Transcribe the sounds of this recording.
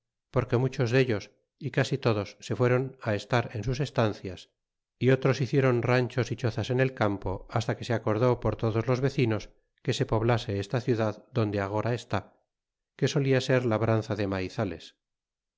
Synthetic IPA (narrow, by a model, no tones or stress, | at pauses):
po̞ɾke̞mut͡ʃo̞zðe̞ʎo̞s | ikasit̪o̞ðo̞sːe̞fwe̞ɾo̞nae̞st̪aɾe̞nsuse̞st̪anθjas | io̞t̪ɾo̞siθje̞ɾo̞nraɲt͡ʃo̞sit͡ʃo̞θase̞ne̞lkampo̞̰ast̪ake̞seako̞ɾðo̞po̞ɾt̪oðo̞zlo̞zβe̞θino̞s | ke̞se̞po̞βlase̞est̪aθjuðaðd̪o̞nd̪eaɣ̞o̞ɾae̞st̪a | ke̞so̞liase̞ɾlaβɾan̟θaðe̞majθale̞̰s